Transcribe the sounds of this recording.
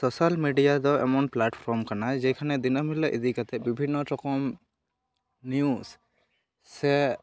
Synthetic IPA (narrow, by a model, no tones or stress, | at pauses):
sosalmiɖijad̪ɔʔɛ̰mɔnplaʈpʰɔɾmkanad͡ʒɛkʰanɛd̪inɔmilaʔid̪ikat̪ɛbibʱinːɔʈɔkɔm | njus | sːɛ